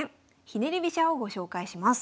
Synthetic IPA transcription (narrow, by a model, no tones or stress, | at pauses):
ẽ | çineɾʲibʲiɕaoɡo̞ɕo̞ːkaiɕimasɨ̥